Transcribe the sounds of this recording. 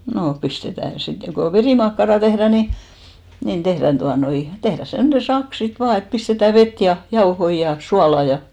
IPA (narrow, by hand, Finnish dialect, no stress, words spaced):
noː pistetæˑ sit ko ʋeriˑmɑkːɑrɑˑ tehræˑ ni nin tehræn tuɑnoi tehræ semnen̞ sɑk sit ʋɑː et pistetæ ʋet jɑ jɑohoi jɑ suɑlɑ jɑ